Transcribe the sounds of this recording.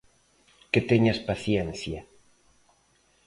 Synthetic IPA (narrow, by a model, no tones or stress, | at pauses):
ket̪eɲaspaθjenθja